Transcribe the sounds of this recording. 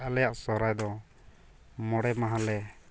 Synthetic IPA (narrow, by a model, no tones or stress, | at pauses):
alɛjaʔsɔɾajd̪ɔ | mɔɽɛmaɦalɛ